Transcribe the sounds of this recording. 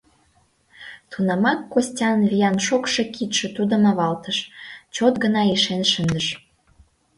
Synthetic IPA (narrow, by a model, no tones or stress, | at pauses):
t̪ʰunɑmɑkːosʲtʲɑnβijɑnʃokʃĕkʰit̪ʃĕt̪ud̪ə̆mɑβɑlt̪əʃt͡ɕot̪ɡənɑiʃenʃənəʃ